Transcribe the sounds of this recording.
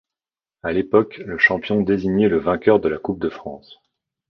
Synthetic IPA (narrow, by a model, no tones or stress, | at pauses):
alepɔkləʃɑ̃pjɔ̃d̪eziɲɛləvɛ̃kʲœʁd̪əlakup̚d̪əfχɑ̃s